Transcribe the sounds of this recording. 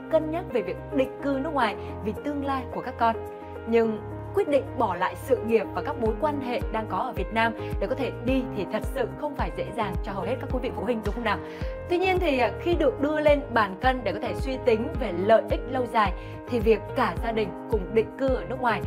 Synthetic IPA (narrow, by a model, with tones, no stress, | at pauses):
kə˧nɲə˦˥t̚ve˨˩vi˨˩ək̚ɗḭ̈˧˨ŋ̟kɨ˧nɨ˦˥k̚waː˨˩j | vi˨˩t̪ɨ˧əŋlaː˧jku˧˩əkaː˦˥kːɔ˧n | ɲɨ˧ŋ | kwi˦˥t̚ɗḭ̈˧˨ŋ̟ɓɔ˧˩la̰ː˧˨jsɨ̰˧˨ŋi˨˩əp̚vaː˨˩kaː˦˥k̚ɓo˨˦jkwaː˧nɦḛ˧˨ɗaː˧ŋkɔ˨˦ʔəː˧˩vi˨˩ət̚naː˧mɗe˧˩kɔ˨˦t̪ʰe˧˩ɗi˧t̪ʰi˨˩t̪ʰə˨˩t̚sɨ̰˧˨xə˧wŋ͡mfaː˧˩jzḛ˧˥zaː˨˩ŋt͡ɕɔ˧ɦə˨˩whe˦˥t̚kaː˦˥ku˨˦vḭ˧˨fṵ˧˩hï˧ŋ̟zʊ˨˦ŋ͡mxə˧wna˨˩w | t̪wi˧ɲi˧ənt̪ʰi˨˩˨xi˧ɗɨ˨˩ək̚ɗɨ˧əle˧nɓaː˨˩nkə˧nɗe˧˩kɔ˨˦t̪e˧˩swi˧t̪ï˨˦ŋ̟ve˨˩lə̰ː˧˨jʔï˦˥k̟̚lə˧wzaː˨˩j | t̪ʰi˨˩vi˨˩əkːaː˧˩zaː˧ɗï˨˩ŋ̟kʊ˨˩ŋ͡mɗḭ̈˧˨ŋ̟kɨ˧ʔəː˧˩nɨ˦˥ək̚ŋwaː˨˩j